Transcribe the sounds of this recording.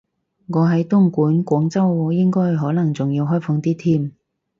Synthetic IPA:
ŋɔː˨˧ɦɐ˨˥jt̪ʊ˥ŋkuː˨˥nkʷɔː˨˥ŋt͡sɐ˥wjɪ˥ŋkɔː˥jɦɔː˨˥nɐ˨˩ŋt͡sʊ˨ŋjiː˧wɦɔː˥jfɔ˧ŋt̪iː˥t̪ʰiː˥m

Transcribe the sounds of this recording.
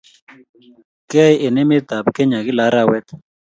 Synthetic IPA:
kɛ˦i˦e˨ne˦me˦d̪ʱa˨bkɛ˦ɲa˨kɪ˦la˨˦ɾa˦wɛ˦t̪

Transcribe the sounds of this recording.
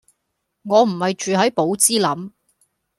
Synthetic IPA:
ŋɔː˨˧m̩˨˩hɐ˨jt͡ʃyː˨ɦɐ˨˥jpo˨˥wt͡siː˥lɐ˨˥m

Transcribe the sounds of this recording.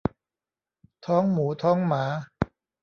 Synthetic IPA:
t̪ʰɔː˦˥ŋmuː˩˦t̪ʰɔː˦˥ŋmaː˩˦

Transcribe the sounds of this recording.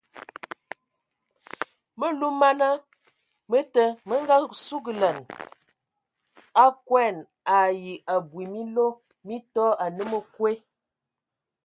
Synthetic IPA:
mə˦lu˦ma˦na˦ | mə˦tə˦mə˦ŋɡa˦su˦ɡə˨lə˨n | a˦kwɛ˦˨n | a˨ji˨ʔa˨bwi˨mi˦lo˦ | mi˦tɔ˦a˨nə˦mə˦kwe˦

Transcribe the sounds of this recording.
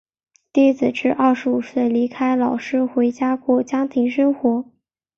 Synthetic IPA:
t̪i˥˩t͡sɹ̩˨˩ʈ͡ʂɻ̩˥˧ʔɐ˥˩ʂɻ̩˧˥u˨˩swe˥˩ɪli˧˥kʰa˥ɪlɑ˨˩ʊʂɻ̩˥xwe˧˥ɪt͡ɕja˥kwɔ˥˩t͡ɕjɑ˥ŋt̪ʰi˧˥ŋʂɤ˥ŋxwɔ˧˥

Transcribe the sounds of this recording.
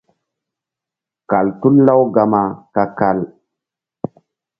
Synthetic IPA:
ka˨ltu˦nla˦wɡa˨ma˨ka˦ka˦˨l

